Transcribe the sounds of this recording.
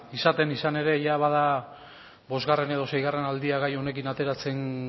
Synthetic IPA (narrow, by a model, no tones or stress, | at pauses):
isat̪e̞nisane̞ɾe̞ʝaβað̞a | bo̞zɣare̞ne̞ð̞o̞se̞jɣare̞nald̪iaɣajo̞ne̞kinat̪e̞ɾat͡se̞n